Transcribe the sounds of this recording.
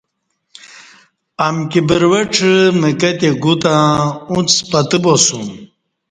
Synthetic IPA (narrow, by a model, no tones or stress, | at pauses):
amkibəɾwɐʈ͡ʂʰməkɐt̪eɡut̪ãũt͡spɐt̪ɨbosum